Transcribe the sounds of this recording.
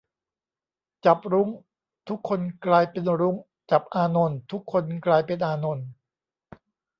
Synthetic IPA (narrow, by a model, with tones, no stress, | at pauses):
t͡ɕa˨˩p̚ɾu˦˥ŋ | t̪ʰu˦˥kʰːo˧nklaː˧jpe˧nɾu˦˥ŋ | t͡ɕa˨˩p̚ʔaː˧no˧nt̪ʰu˦˥kʰːo˧nklaː˧jpe˧nʔaː˧no˧n